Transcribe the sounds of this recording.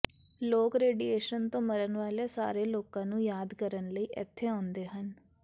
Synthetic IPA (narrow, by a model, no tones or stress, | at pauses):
loːkɾeːɖiːeːʃənt̪õːməɾənʋaːleːsa̰ːɾeːloːkãːnũːjaːd̪kəɾənləiːʔɪ̰t̪ʰːeːãːʊnd̪eːɦən